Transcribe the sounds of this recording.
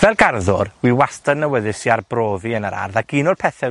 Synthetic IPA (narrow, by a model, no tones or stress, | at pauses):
vɛlˠɡarðʊrwiwastanːəwəðɨsiarbroːviənəɾa̰rðaɡ̥inʊrpʰɛθɛ